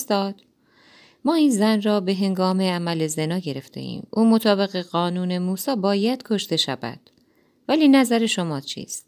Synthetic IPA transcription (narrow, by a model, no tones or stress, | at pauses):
st̪ɒːd̪̥ | mɒːiːnzænrɒːbe̞ɦe̞ŋɡɒːme̞æmæleze̞nɒːɟe̞ɾe̞ft̪ʰe̞̰ʔḭːmʔuːmo̞t̪ʰɒːbe̞ɣe̞ɢɒːnuːne̞muːsɒːbɒːjæd̪̥kʰo̞ʃt̪e̞ʃæ̰væ̰d̪̥ | væliːnæzæɾe̞ʃomɒːt͡ʃʰḭːst̪